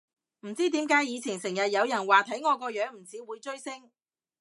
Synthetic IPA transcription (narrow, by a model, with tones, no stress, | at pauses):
m̩˨˩t͡siː˥t̪iː˨˥mkaː˨˥jiː˨˧t͡sʰiː˨˩nsɪ˨˩ŋjɐ˨t̚jɐ˨˧wjɐ˨˩nwaː˨t̪ʰɐ˨˥jŋɔː˨˧kɔː˧jœː˨˥ŋm̩˨˩t͡siː˨˥wuː˨˧jt͡ʃɵ˥ɥsɪ˥ŋ